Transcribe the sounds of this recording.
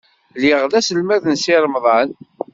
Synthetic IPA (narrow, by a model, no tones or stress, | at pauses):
liʁðæsəlmæðənsɪɾˤmðˤɑn